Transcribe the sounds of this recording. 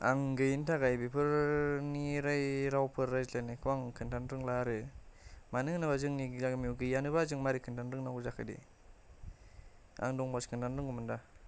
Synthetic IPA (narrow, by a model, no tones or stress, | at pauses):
aŋɡɯjintʰaɡajbipʰɯɾniɾajɾawpʰɯɾːajzlanikʰɯwaŋkʰɯntʰanɾɯŋlaɾɯ | manɯŋnɯbazɯŋniɡamiuɡɯjanɯbazɯŋmaɾikʰɯntʰanɾɯŋnawɯzakʰadḭ | a̰ŋdɔŋbaskʰɯntanɾɯŋɡumɯnda